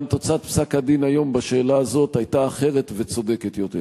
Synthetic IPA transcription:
nt̪o̞t͡sat̪̚psakad̪inajo̞mbaʃe̞ːlaːzo̞t̪ajt̪aːχe̞ʁet̪ve̞t͡so̞d̪e̞ket̪jo̞t̪ḛ

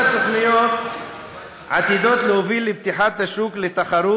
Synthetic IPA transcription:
t̪oχnijot̪ | ʕa̰t̪id̪o̞t̪leovilibt̪iħat̪haʃuklet̪aχaɾu

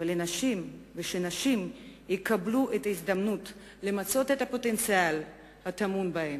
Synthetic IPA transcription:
elenaʃimveʃenaʃimjekabluʔetaizd̪amnut | le̞mat͡so̞tetapo̞te̞nt͡sial | hat̪amunbahem

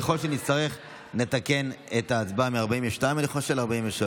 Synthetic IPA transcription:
eχo̞lʃenit͡st̪aʁeχ | ne̞t̪ake̞netaːt͡sbameaʁbaimveʃtaj̃mleχolʃelaʁbaimveʃa

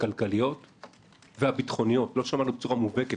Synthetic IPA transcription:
kalkalijo̞t | veabitχo̞nijo̞tlo̞ʃamanubet͡suʁamuveke

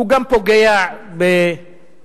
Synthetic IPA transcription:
uɡampɔɡɛjabɛ

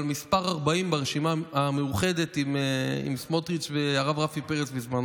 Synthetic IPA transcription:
lmispaʁaʁbaimbaʁeʃimaamejuχe̞d̪et̪imḭmsmot̪ʁit͡ʃveaʁavʁafipeʁet͡sbizman

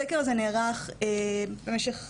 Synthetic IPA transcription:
ekeʁazeneːʁaχebemeʃeχ

